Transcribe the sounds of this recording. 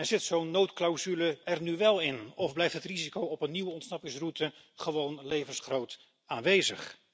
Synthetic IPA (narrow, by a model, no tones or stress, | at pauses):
ɛɹz̥ɪtsownːowtklawzyləɛrnyʋɛlˠɪnɔvblɛjftɦətrizikowɔpənːiʋəɔntsnɑpɪŋsrutə | χəʋownlejvənsχrowt | aːnʋejzə̰χ